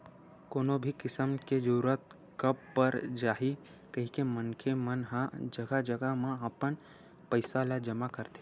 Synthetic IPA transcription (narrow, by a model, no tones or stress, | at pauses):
koːnobʱikɪsəmked͡ʒəɾuɾət̪ | kəb̚pəɾd͡ʒaːɦi | kəɦikemənkʰemənɦãd͡ʒəɡad͡ʒəɡamãəpən | pəɪsalad͡ʒəmakəɾt̪e̥